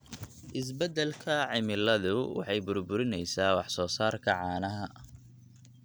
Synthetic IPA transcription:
ʔɪs̬bɛd̪ɛlkʰɐʕɪmɪlɐðʊwɑ̰ħɑjbʊrbʊɾɪnɛjsaːwɑħsɔːsaːrkʰɐʕɑːnɐɦɐ

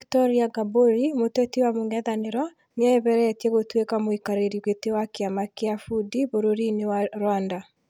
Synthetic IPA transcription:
ktɔɾiaɡaboɾimotɛtiwamoŋɛðaneɾɔ | neaeβɛɾɛɛtiɛɣotwekamoikaɾeɾiuɣetewakeamakeafudiβoɾoɾinewaɾwanda

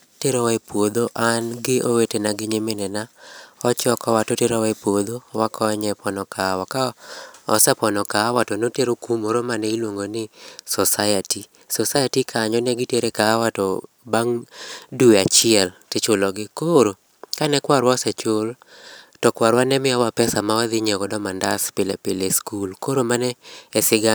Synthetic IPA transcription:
teɾɔwaepwod̪oʔanɡɪʔowetenaɡɪɲemɪnɛnaɔt͡ʃɔkɔwatɔteɾowpwod̪owakɔɲɛpɔnɔkawakaɔ̰sɛpɔnɔkawatɔnoteɾokumoɾomanɛilwoŋɡonɪsɔsajati | sɔsajatikʰaɲɔnɛɡɪteɾekaːwatɔ | baŋduat͡ʃɪɛltɪt͡ʃʊlɔɡɪkoɾo | kanɛkwaɾwɔsɛt͡ʃʊl | tɔkwaɾwanɛmɪawapɛsamawad̪ɪɲɛɡɔdɔmandaspɪlɛ̰pɪleskulkoɾomanɛːsɪɡa

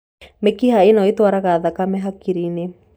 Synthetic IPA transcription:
mekihaenɔitwaɾaɣaðakamɛɦakiɾine

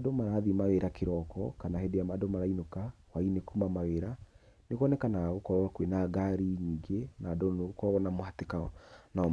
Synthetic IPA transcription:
domaɾaðimaɣeɾakʰeɾɔkɔkanahedeamadomaɾainoka | wainekuːmamaɣeɾa | nekɔnɛkanaɣokɔɾkwenaɡaɾiɲiːŋɡenaːdoneɣokɔɣɔnamohatekanaɔ

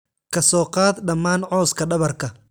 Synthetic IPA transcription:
kʰɐsɔːqɑːd̪ɖɐmːaːnʕɔːskʰɐɖɐβɐrkʰɐ

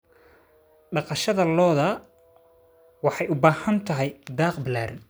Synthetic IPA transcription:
ɖɑqɑʃɐðɐlɔːðɐ | wɑħɑjʊbaːhɐnt̪ʰɐɦɛjd̪aːqbɪlaːɾɪn

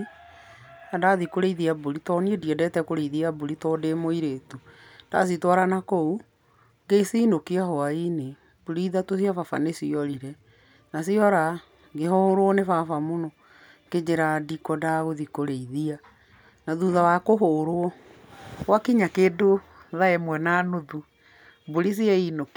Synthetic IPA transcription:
adaðikoɾeiðiaboɾitɔniɛdiɛdɛtɛkoɾeiðiaboɾitɔdemoiɾetud̥a̰s̬itwaɾanakou | ŋɡesinokiahɔaine | boɾiðatos̬jafafa̰nesiɔɾiɾɛ | nasiɔɾa | ɡehɔɾowɔnefafamonɔ | ked͡ʑeɾadikɔdaɣoðikoɾeiðia | naðuðawakoɦoɾoɔ | ɣwakiɲakeːdo | ðaemwɛnaːnoðu | buɾis̬jɛinok

